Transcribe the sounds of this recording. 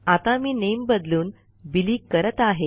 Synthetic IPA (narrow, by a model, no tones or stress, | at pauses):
at̪amiːnembəd̪luːn | biliːkəɾət̪aɦe